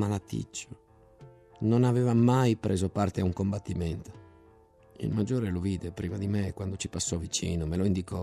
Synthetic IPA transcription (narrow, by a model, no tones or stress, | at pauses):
malat̪ːḭt͡ʃːo | nonavɛːvamajpɾʔeːzopart̪eauŋkombat̪ːimɛnt̪o̥ | ḭlmad͡ʒːoːɾeloviːd̪ɛpɾiːmad̪imɛkwand̪ot͡ʃi̥pasːɔvit͡ʃḭːnomeloind̪ikɔ